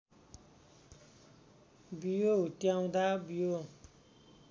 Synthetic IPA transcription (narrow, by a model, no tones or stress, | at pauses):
bijot̪jaũd̪abijo